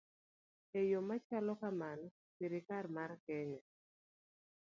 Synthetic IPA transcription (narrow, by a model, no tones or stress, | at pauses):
ejomat͡ʃalɔkaman | siɾɪkarmarkɛɲɔ